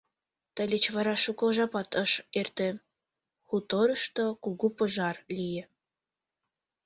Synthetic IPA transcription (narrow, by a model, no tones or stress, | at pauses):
t̪ə̆lʲet͡ɕβɑɾɑʃukoʒɑpɑt̪əʃert̪ĕ | xut̪oɾəʃt̪okuɣupəʒɑrlʲijĕ